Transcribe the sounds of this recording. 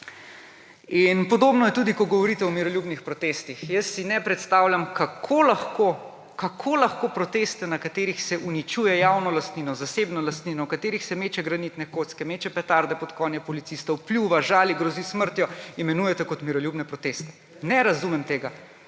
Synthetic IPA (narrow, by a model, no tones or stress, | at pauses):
inpɔd̪obnɔjɛt̪uːd̪ikɔɡɔʋɔɾit̪ɛɔmiɾɔljubnixpɾɔt̪eːst̪ixjɐsːinɛpɾɛt̪st̪aːwljamkakʰolaxko | kakʰoːlaxkoːpɾɔt̪eːst̪ɛnakat̪eːɾixsɛʔunit͡ʃuːjɛjawnɔlast̪niːnɔzaseːbnɔlast̪ninɔwkat̪eːɾixsɛmeːt͡ʃɛɡɾanit̪nɛkoːt̪skɛmet͡ʃɛpɛt̪aɾd̪ɛpɔt̪kɔnjɛpɔlit̪sist̪ɔwplʲjuʋaʒaːliɡɾɔzisməɾt̪jɔimɛnuːjɛt̪ɛkɔt̪miɾɔljubnɛpɾɔt̪est̪ɛ̥ | nɛɾazumɛmt̪eːɡa